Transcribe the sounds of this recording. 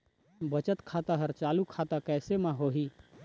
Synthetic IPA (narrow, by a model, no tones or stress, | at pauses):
bət͡ʃət̪kʰaːt̪aɦəɾt͡ʃaːlukʰaːt̪akɛːsemãɦoːɦi